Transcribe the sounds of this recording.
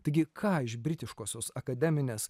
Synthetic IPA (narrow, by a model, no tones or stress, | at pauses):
t̪ɐɪɡʲɪkʰɑːɪʃbʲɾʲɪt̪ʲɪʃkoːsʲoːsɐkɐd̪ʲɛmʲɪnʲeːs